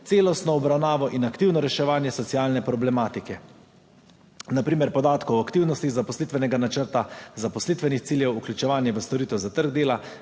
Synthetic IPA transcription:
t̪seːlɔst̪nɔːbɾawnaːʋɔʔinakt̪iːwnɔɾɛʃɛʋaːnjɛsɔt̪sijaːlnɛpɾɔblɛmaːt̪ikɛ | napɾiːmɛɾpɔd̪aːt̪kɔwakt̪iːwnɔst̪iɣzapɔslit̪ʋɛnɛɡanat͡ʃəɾt̪azapɔslit̪ʋɛnixt̪siːljɛwuklʲut͡ʃɛʋaːnjɛʋəst̪ɔɾiːt̪ɛwzat̪əɾɡd̪eːla

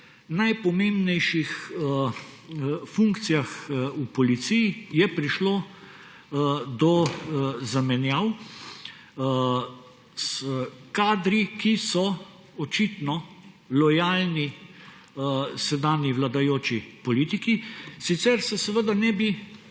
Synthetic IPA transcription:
najpɔmembnɛjʃix | fuŋkt̪sijaxupɔlit̪sijijɛpɾiʃloː | d̪ɔ | zamɛnjaw | skaːd̪ɾikisɔ | ɔt͡ʃit̪nɔ | lɔjalni | sɛd̪aːniʋlad̪ajoːt͡ʃipɔlit̪ikisit̪sɛɾsɛsɛʋəd̪anɛbi

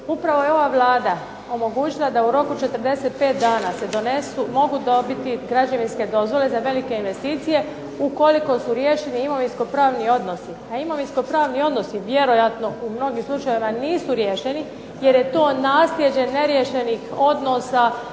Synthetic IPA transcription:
upɾaʋo̞jeo̞ʋaʋlˠaːd̪a | o̞mo̞ɡuːt͡ʃilˠad̪auɾo̞kut͡ʃe̞t̪ərd̪e̞set̪̚pe̞ːt̪̚d̪aːnase̞d̪o̞nesumo̞ɡud̪obit̪iɡɾad͡ʒaʋinske̞d̪o̞zʋo̞le̞zaʋe̞like̞inʋe̞st̪iːt̪sije̞ | uko̞liko̞suɾje̞ʃeniimo̞ʋinsko̞pɾaːʋnio̞d̪no̞siaimo̞ʋinsko̞pɾaːʋnio̞d̪no̞siʋje̞ɾo̞jat̪no̞umno̞ɡimslˠut͡ʃajeʋimaniːsuɾjeʃe̞ni | je̞ɾje̞t̪o̞ːnaːslje̞d͡ʑe̞ne̞ɾje̞ʃe̞nixo̞d̪no̞ːsa

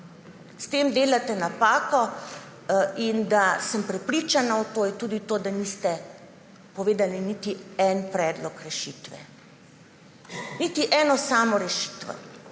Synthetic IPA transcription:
st̪eːmd̪eːlat̪ɛnapaːkɔ | ind̪asəmpɾɛpɾit͡ʃanaɔt̪oːjɛt̪uːd̪it̪oːd̪anist̪ɛ | pɔʋeːd̪alinit̪iɛnpɾɛːd̪lɔkɾɛʃiːt̪ʋɛ̰ | nit̪iʔɛːnɔsaːmɔɾɛʃi̥ːt̪ʋɛ̰

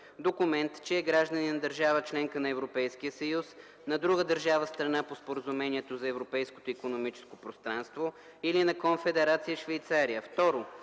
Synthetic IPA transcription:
d̪okʊmɛnt̪t͡ʃɛːɡɾaʒd̪əninɐd̪əɾʒavət͡ʃlɛŋkənɐɛvɾopɛjskiəsɐjus | nɐd̪ɾuɡəd̪əɾʒavəst̪ɾɐnapospoɾəzumɛniɛt̪ozɐɛvɾopɛjsko̥t̪oikonomit͡ʃɛ̥skopɾost̪ɾanst̪vo | ilinɐkonfɛd̪ɛɾat̪sijəʃvɐjt̪saɾiəft̪ɔɾo

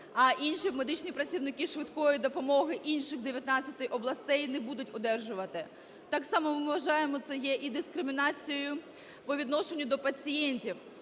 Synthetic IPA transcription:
ɐʔinʃime̞d̪ɪt͡ʃnʲipɾɐt͡sʲiwnɪkɪʃʋɪd̪kɔjid̪ɔpɔmɔɦɪʔinʲʃɪxd̪eʋʲjɐt̪nɑt͡sʲːɐt̪ɪʔɔblˠɐst̪ɛjnɛbud̪ʊtʲɔd̪ɛrʒʊʋɐt̪ɪ | t̪ɑksɑmɔmɪʋɐʒɑjemɔt̪sɛjɛʔid̪ɪskɾɪmʲɪnɑt͡sʲijʊjʊ | pɔʋʲid̪nɔʃenʲːʊd̪ɔpɐt͡sʲijɛnʲtʲiw

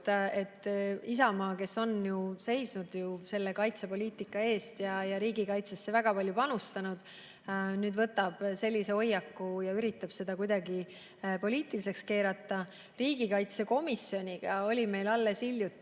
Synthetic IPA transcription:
e̞t̪ːisɑmɑːke̞so̞njuse̞jsnud̪̥juse̞lːe̞kɑjt̪sepo̞lʲiːt̪ːˑikːˑɑe̞ːst̪jɑjɑɾiːɡikɑjt̪sesːe̞væɡ̥ɑpɑlʲjupɑnust̪ɑnud̪̥ | nyːd̪vɤt̪ːˑɑb̥se̞lʲːise̞o̞jːɑkːujɑyɾit̪ːˑɑb̥se̞d̪̥ɑkujd̪̥ɑɡi | po̞lʲiːt̪ːˑilise̞kske̞ːɾɑt̪ːˑɑ | riːɡ̥ikɑjt̪se̞ko̞misːjo̞nʲiɡ̥ɑo̞lʲime̞jlɑlːe̞siljut̪ːˑ

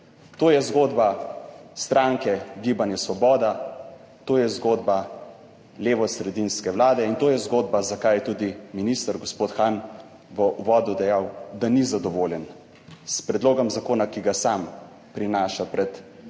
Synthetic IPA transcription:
t̪oːjɛzɡoːd̪bast̪ɾaːŋkɛɡibanjɛsʋɔbɔːd̪a | t̪oːjɛzɡoːd̪ba | leːʋɔsɾɛd̪inskɛʋlaːd̪ɛint̪oːjɛzɡoːd̪bazakaːjɛt̪ud̪iminist̪əɾɡɔspoːt̪xaːn | ʋɔʔuʋɔːd̪ud̪ɛjawd̪anizad̪ɔʋoːljɛn | spɾɛd̪loːɡɔmzakoːnakiɡasam | pɾinaːʃapɾɛt̪

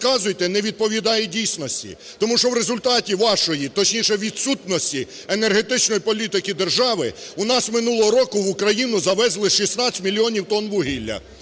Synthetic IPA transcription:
kɑzʊjt̪ɛnɛʋʲid̪̚pɔʋʲid̪ɑjɛdʲijsʲnɔsʲtʲḭ | t̪ɔmuʃt͡ʃɔwɾezʊlʲt̪ɑtʲiʋɑʃɔjit̪ɔt͡ʃnʲiʃɛʋʲid̪sut̪nɔsʲtʲi | enerɦe̞t̪ɪt͡ʃnɔjipɔlʲit̪ɪkid̪erʒɑʋɪʊnɑsmɪnulˠɔɦɔɾɔkʊʋʊkɾɐjinʊzɐʋɛzlˠɪʃisnɑt͡sʲmʲilʲiɔnʲiwt̪ɔnʋʊɦilʲːɐ̰

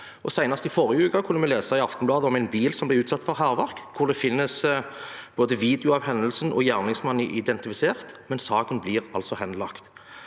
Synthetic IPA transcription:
ʔɔsæɪnɑst̪ɪfoʁjəʉːkɑkʰʉnːəmɛleːsɑɪɑft̪nblɑːd̪əɔmæɪnbiːlsɔmblɪɾʉːt̪sɑt̪ːfɔʁɦæːʁʋæʁkkʰːʊʁd̪ɛfɪnːəs | b̥oːd̪əʋiːd̪ɛʊɑʋhɛnd̪əlsnʔɔ̰jæːʁnɪŋsmɑniːʔɪd̪ɛnt̪ɪfɪseːʁt̪mɛnsɑːkənbliːʁɑlsɔhɛnlɑkt̪

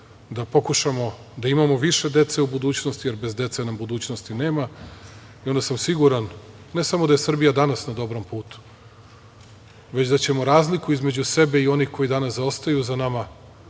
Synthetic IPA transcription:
d̪apo̞kuʃamo̞ | d̪aimamo̞ʋiʃe̞d̪et̪se̞ubud̪uːt͡ɕnost̪ijeɾbe̞zd̪e̞t̪senambud̪uːt͡ɕnost̪ine̞ːma | io̞nd̪asamsiɡuɾanː | e̞samod̪aje̞sr̩bijad̪anasnad̪o̞bɾo̞mpuːt̪u̥ | ʋe̞t͡ɕd̪at͡ɕe̞moɾaːzlikuizme̞d͡ʑuse̞be̞io̞nixko̞jid̪anaszao̞st̪ajuzanama

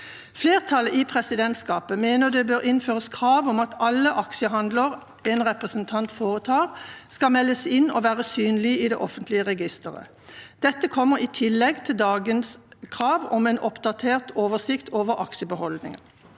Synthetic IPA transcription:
fleːʁt̪ʰɑləʔiːpʰʁɛsɪd̪ɛnt̪skɑːpəmeːnəʁd̪ɛbøːʁʔɪnføːʁəskʰʁɑːʋɔmɑt̪ɑlːəʔɑkʃəɦɑnd̪ləʁ | ɛnʁɛpʁəsənt̪ʰɑnt̪foːʁət̪ʰɑːʁskɑmɛlːəsɪnːoːʋæːʁəsyːnlɪiːd̪ɛ̰ʔɔfənt̪lɪəʁɛɡɪst̪əʁə̰ | d̪̥ɛt̪ːəkʰɔmːəʁiːt̪ʰɪlːɛɡt̪ʰɪld̪ɑːɡənskʰʁɑːʋɔmɛnʔɔpd̪ɑt̪ʰeːʁt̪oːʋəsɪkt̪ʰoːʋəʁɑkʃəbəhɔld̪nɪ̰ŋə̰n

